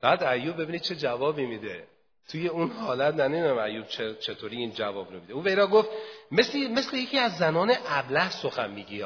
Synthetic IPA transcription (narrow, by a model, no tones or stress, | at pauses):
b̥æːd̪æjuːb̚bːe̞binid̪̚t͡ʃʰe̞d͡ʒævɒːbiːmid̪e | t̪ʰuje̞unhɒːlæt̪næned̪inæmæjːub̥̚t͡ʃʰet͡ʃʰet̪ʰoːɾiiːnd͡ʒævɒːbɾomid̪euːvejɾɒːɡoft̪meslme̞slejecʰiːæzːænɒːneʔæblæhso̞xænmiːɡiː